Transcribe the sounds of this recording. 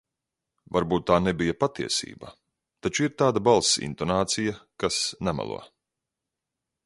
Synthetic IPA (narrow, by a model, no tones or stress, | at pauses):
vaɾbuːt̪ːaːnɛbijapat̪iɛsḭːba̰ | t̪at͡ʃuiɾt̪aːd̪abalˠsḭnt̪ɔnaːt̪sijakasnama̰lˠṵɔ